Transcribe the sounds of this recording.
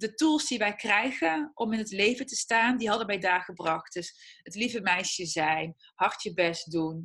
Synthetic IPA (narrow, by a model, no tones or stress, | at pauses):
dətulˠsdiʋɛjkrɛjχənʔɔmɪnətlejvəntəstaːndiɦɑdəmɛjdaːɹχəbrɑχt̚dɵsətlivəmɛjʃəzɛjn | hɑɹtjəbɛs̚dun